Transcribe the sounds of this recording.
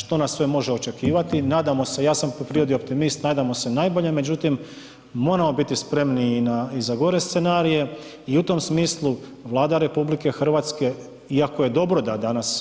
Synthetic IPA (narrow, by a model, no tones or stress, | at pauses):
ʃt̪o̞nasːʋe̞mo̞ʒeo̞t͡ʃe̞kiːʋat̪inaːd̪amo̞se̞jaːsampopɾio̞d̪io̞p̚t̪imist̪naːd̪amo̞se̞najbo̞ʎe̞me̞d͡ʑut̪imː | o̞ɾamo̞bit̪ispɾe̞mniːnaizaɡo̞ɾe̞st̪se̞naːɾije̞ | iut̪o̞msmiːslˠu | ʋlˠaːd̪aɾe̞publike̞xr̩ʋaːt̪ske̞ | iako̞je̞d̪o̞bɾo̞d̪ad̪anas